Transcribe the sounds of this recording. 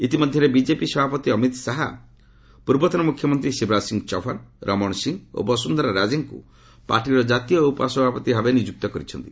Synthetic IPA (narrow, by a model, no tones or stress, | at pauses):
it̪imɔd̪ʱjɔɾebid͡ʒepisɔbʱapɔt̪iɔmit̪saɦa | puɾbɔt̪ɔnɔmukʰjɔmɔnt̪ɾisibɾasiŋɡt͡ʃɔfʰanɾʔɔmɔɳsiŋo̰bɔsund̪ʱɔɾɔɾad͡ʒeŋkṵ | pa̰ɾʈiɾɔd͡ʒat̪ijɔupɔsɔbʱapɔt̪iɦabenid͡ʒuk̚t̪ɔkɔɾit͡ʃʰɔnt̪i